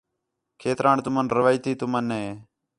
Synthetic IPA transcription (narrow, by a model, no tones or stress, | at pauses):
kʰeːt̪ɾãːɳt̪ʊmənɾəʋaːjt̪iːt̪ʊmənːe